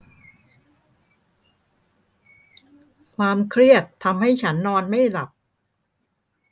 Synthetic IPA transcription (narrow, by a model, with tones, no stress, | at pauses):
kʰwaː˧mkʰɾi˥˩ət̪ʰːa˧mha˥˩jt͡ɕʰa˦˥nːɔː˧nma˥˩jla˨˩p̚